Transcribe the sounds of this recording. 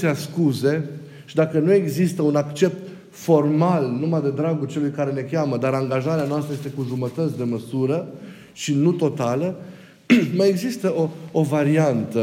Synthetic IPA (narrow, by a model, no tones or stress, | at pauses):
easkuze̞ | ʃid̪akənue̞ɡzist̪əunakt͡ʃe̞p̚t̪ | fo̞rmalnumad̪e̞d̪ɾaɡult͡ʃe̞lujkaɾe̞ne̞kʲjaməd̪aɾaŋɡaʒaɾeanoast̪ɾəje̞st̪ekuʒumət̪ət̪sʲd̪e̞məsuɾə | ʃinut̪o̞t̪alə | majeɡzist̪əʔoovaɾiant̪ə